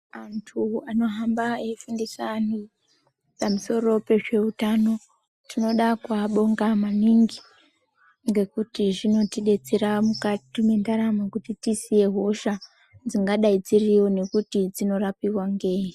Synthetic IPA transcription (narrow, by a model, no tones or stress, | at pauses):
antʰuano̞ɦambaeifundisani | pamuso̞ro̞pe̞ʐe̞utano̞ | tino̞ɗakwaɓo̞ŋɡamaniŋɡi | ŋɡe̞kutiʐino̞tiɗe̞d͡zeɾamukatime̞ndaɾamakutitisije̞ɦo̞ʃa | d͡ziŋɡaɗaid͡ziriwo̞ne̞kutid͡zino̞rapiwaŋɡe̞ːi